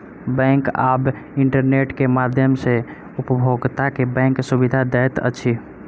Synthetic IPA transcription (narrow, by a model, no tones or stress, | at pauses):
bɛ̃ŋka̰b | iɳʈəɾneʈkemad̪ʱjəmse | upbʱoɡt̪akebɛ̃ŋksubid̪ʱad̪ɛt̪ə̰t͡ʃʰi